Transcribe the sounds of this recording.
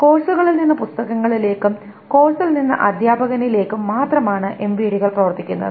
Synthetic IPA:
ko̞ːsuɣɐɭilninːɐpust̪ɐɣɐŋːɐɭile̞ːkːɨm | ko̞ːsɐlninːɐ̰ʔɐd̪ʱjaːbɐɣɐnile̞ːkːɨmːaːt̪rɐmaːɳɨʔe̞mʋiːɽiɣɐɭprɐʋɐrt̪ːikʲːunːɐ̰ðɨ

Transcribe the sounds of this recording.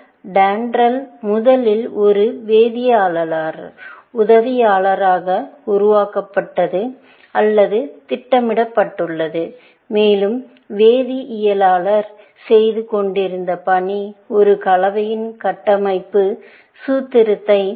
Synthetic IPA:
ɖaːɳɖɾɐlmʊðɐlɪlɔɾɯʋeːðɪjaːɭlɐlaːɾʊðɐʋɪjaːɭɐɾaːɣɐʊɾʊʋaːkɐpːɐʈːɐðɯ | ɐlːɐðɯt̪ɪʈːɐmɪɽɐpːɐʈːɯɭːɐðɯ | meːlɯm | ʋeːðiʔɪjɐlaːɭɐɾ | sɛjðɯkɔɳɖɪɾɯnd̪ɐpɐɳiɔɾɯkɐlɐʋɐjɪnkɐʈːɐmɐɪpːɯ | suːt̪ːɪɾɯt̪ːɐɪ

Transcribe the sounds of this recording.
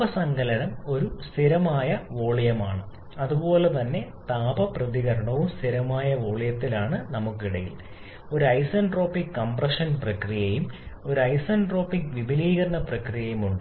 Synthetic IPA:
ɐsɐŋɡɐlɐnɐmo̞ɾust̪ʰiɾɐmaːjɐʋo̞ːɭijɐmaːɳɨ | ɐðubo̞ːlet̪ɐnːe̞t̪aːbɐprɐðiɣɐɾɐɳɐʋumst̪ʰiɾɐmaːjɐʋo̞ːɭijɐt̪ːilaːɳɨnɐmukːiɽɐjḭl | o̞ɾuɐjsɐnɖro̞ːpːikːɐmprɐʂɐnprɐkrijɐjumo̞ɾuɐjsɐnɖro̞ːpːikʋibʱiliːɣɐɾɐɳɐprɐkrijɐjumuɳɖɨ

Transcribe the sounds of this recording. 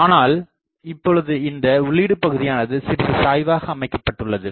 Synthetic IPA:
aːnaːl | ɪpːɔɭɯðɯɪnd̪ɐʊɭːiːɽɯpːɐɣɯðɪjaːnɐðɯsɪɾʋɯsaːjʋaːɣɐːmɐɪkːɐ̥pːɐʈːɯɭːɐðɯ

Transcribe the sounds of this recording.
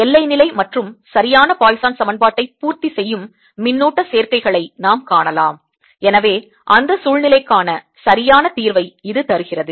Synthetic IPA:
ɛlːɐɪnɪlɐɪmɐʈrɯmsɐɾɪjaːnɐpaːjsaːnsɐmɐnbaːʈːɐɪpːuːɾt̪isɛjːɯmː | ɪnːuːʈːɐseːrkɐɪɣɐɭɐɪnaːmkaːɳɐlaːm | ɛnɐʋeː | ʔɐnd̪ɐsuːɻnɪlɐɪkːaːnɐ | sɐɾɪjaːnɐt̪iːɾʋɐɪɪðɯt̪ɐɾɯɣɪrɐðɯ

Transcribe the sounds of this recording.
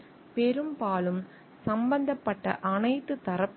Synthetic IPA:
pɛɾɯmpaːlɯm | sɐmbɐnd̪ɐpːɐʈːɐ̰ʔɐnɐɪt̪ːɯt̪ːɐɾɐpː

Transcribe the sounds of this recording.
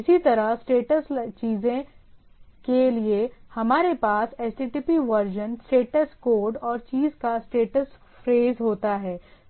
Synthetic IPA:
ɪsit̪ɐɾəɦsʈeːʈəst͡ʃiːzẽ | keliehɐmaːɾepaːsɛːsʈiːʈiːpiʋɐɾd͡ʒənsʈeːʈəskoːɾɖɔːɾt͡ʃiːzkasʈeːʈəs | fɾeːzɦoːt̪aɦɛː

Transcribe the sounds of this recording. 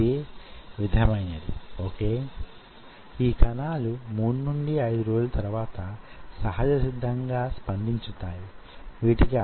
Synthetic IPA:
eʋid̪ʱɐjɐmɐjnɐd̪ḭoːkeː | iːkɐnaːlumuːɽunuɳɖiɐjd̪uɾoːd͡ʒlɐt̪ɐɾuʋaːt̪ɐsɐɦɐd͡ʒɐsid̪ʱːɐŋɡaːspɐnd̪ʱiɲt͡ʃut̪aːji | ʋiːʈiki

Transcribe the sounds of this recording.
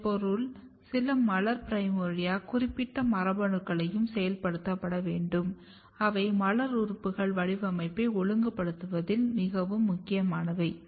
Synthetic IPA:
pɔɾɯl | sɪlɐmɐɭɐɾpɪɾɐɪmɔɻɪjaːkʊrɪpːɪʈːɐmɐɾɐbɐɳɯkːɐɭɐjɯmsɛjɐlpɐɽɯt̪ːɐpːɐɽɐʋeːɳɖɯm | ɐʋɐɪmɐɭɐɾʊɾpːɯɣɐɭʋɐɻɪʋɐmɐɪpːɐɔɭɯŋɡɐpːɐɽɯt̪ːɯʋɐðɪlmɪɣɐʋɯmːʊkːɪjɐmaːnɐʋɐɪ

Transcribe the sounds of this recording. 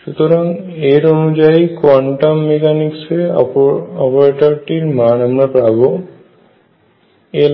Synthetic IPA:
ʃut̪oɾaŋ | eɾonud͡ʑaikwɔɳʈamːekanikse | ɔpoɾeʈoɾʈiɾmanamɾapɾabo | e

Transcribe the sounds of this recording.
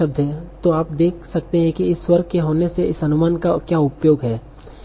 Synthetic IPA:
ɐb̚d̪ʱɦɛ̃t̪oaːp̚d̪eːkʰsɐk̚t̪eɦɛ̃kiɪswɐɾɡ̚keɦoːneseɪsɐnʊmaːnkakjaːʊpjoːɡɦɛː

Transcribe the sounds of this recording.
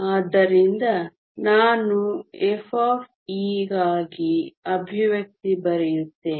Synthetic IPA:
aːd̪ːɐɾind̪ɐ | naːnuefʰaːf | iːɡaːɡiɐbʱiʋjɐk̚t̪ibɐɾɛjut̪ːeː

